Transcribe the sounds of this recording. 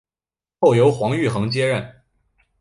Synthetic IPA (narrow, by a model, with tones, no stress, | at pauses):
xo˥˩ʊjo˧˥ʊxwɑ˧˥ŋy˥˩xɤ˧˥ŋt͡ɕjɛ˥ɻə˥˩n